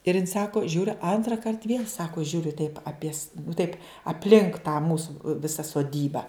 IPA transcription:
ɪr jɪn ˈsɑːkoː ˈʒʲuːrʲʊ ɐntrɐˈkɐrt ʋʲiɛlʲ ˈsɑːkoː ˈʒʲuːrʲʊ tɐɪp ɐˈpʲiɛs tɐɪp ɐpʲˈlʲɪŋk tɑː ˈmuːsʊ ˈʋʲɪsɐ soːˈdʲiːbɐ

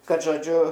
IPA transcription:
ˈkɐt ʒoːˈd͡ʒʲʊ

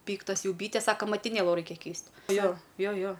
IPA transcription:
ˈpʲiːktɐs ˈjɛʊ ˈbʲiːtʲɛs ˈsɑːkoː mɐtʲɪˈnʲeːlˠʊ ˈrɐɪkʲɛ ˈkʲɛɪsʲtʲ ˈjoː ˈjoː ˈjoː

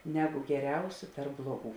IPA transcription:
ˈnʲæːˌɡʊ ɡʲɛˈrʲɛʊsʲʊ ˈtɐrp ˈblˠuɔˌɡuː

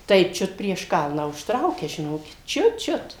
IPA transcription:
tɐɪ ˈt͡ʃʲʊt pʲrʲiɛʃ ˈkɐlˠnɑː ʊʃtˈrɐʊkʲɛ ʒʲɪˈnoːkʲɪt ˈt͡ʃʲʊt ˈt͡ʃʲʊt

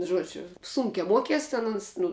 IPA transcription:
ˈʒuɔd͡ʒʲʊ ˈsʊŋʲkʲɛ ˈmuɔkʲiɛs ˈtʲɛn ʊns ˈnʊ

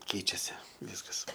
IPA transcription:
ˈkʲɛɪt͡ʃʲɛsʲɪ ˈʋʲiːskɐs

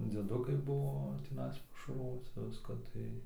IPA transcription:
d͡zʲiɛˈdʊkɐɪ ˈbʊʋoː tʲɪˈnɐɪs pɐʃɐrˈʋoːt͡sʲɪ ˈʋʲɪskɐ ˈtɐɪ

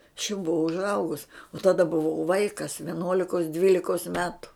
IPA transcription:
ɐʃ jɛʊ bʊˈʋɐʊ ʊʒˈɐʊɡʊs oː tɐˈdɐ bʊˈʋɐʊ ˈʋɐɪkɐs ʋʲiɛˈnuɔlʲɪkoːs ˈdʲʋʲiːlʲɪkoːs ˈmʲæːtʊ

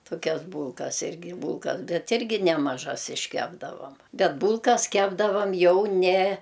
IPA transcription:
toːˈkʲɛs ˈbuːlˠkɐs ˈɪrʲɡʲɪ ˈbuːlˠkɐs ˈbʲɛt ˈɪrʲɡʲɪ nʲɛmɐˈʒɐs ɪʃʲˈkʲæːbdɐʋɐm ˈbʲɛt ˈbuːlˠkɐs ˈkʲæːbdɐʋɐm ˈjɛʊ ˈnʲɛ

